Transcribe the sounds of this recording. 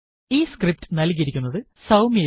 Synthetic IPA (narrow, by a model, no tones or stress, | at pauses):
iːskrip̚ʈɨnɐlkiɾikʲːunːɐðɨ | sɐwmi